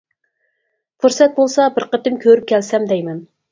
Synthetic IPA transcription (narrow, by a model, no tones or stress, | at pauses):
fuɾsɛt̪̚bolˠsɑbɪɾqət̪ɪmkʲʰøɾyp̚kʲʰɛlsɛmd̪ɛjmɛn